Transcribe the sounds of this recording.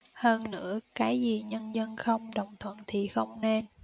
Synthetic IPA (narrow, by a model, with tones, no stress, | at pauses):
həː˧nːɨ̰˧˥əkaː˨˦jzi˨˩ɲə˧nzə˧nxə˧wŋ͡mɗə˨˩wŋ͡mt̪ʰwə̰˧˨nt̪ʰi˨˩xə˧wŋ͡mne˧n